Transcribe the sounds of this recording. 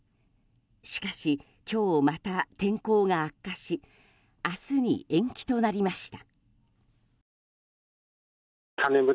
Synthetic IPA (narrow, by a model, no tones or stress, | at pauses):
ɕi̥kaɕi | kʲo̞ːmat̪at̪ẽ̞ŋko̞ːɡaːkːaɕi | asɨɲ̟ḭʔẽ̞ŋkʲi̥t̪o̞naɾʲimaɕi̥t̪ḁ | kʰanebɯ̟